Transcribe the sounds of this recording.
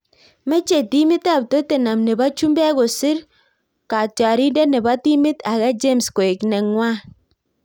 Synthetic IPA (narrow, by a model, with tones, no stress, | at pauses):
mɛ˦t͡ʃe˨ti˦mɪ˦ta˦˨p̚to˦te˨na˨mnɛ˨ba˦t͡ʃu˦mbɛ˦ɣo˨sɪ˦ɾ | ka˨t͡ʃa˨ɾi˦ndɛ˦nɛ˨ba˦ti˦mɪ˦ta˨ɣɛ˦d͡ʒe˦msko˨e˨knɛ˨ŋwa˦